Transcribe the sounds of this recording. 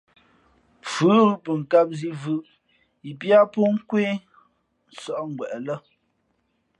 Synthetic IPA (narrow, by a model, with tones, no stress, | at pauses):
p͡fʉ˨˦ɣpə˨ŋ˨ka˦p̚zi˦vɯ˦ʔ | i˨pja˦po˦ŋ̩˦kwe˦ | n̩˦˨sɔ˦˨ʔŋ̩˨ɡwɛ˨ʔlə˦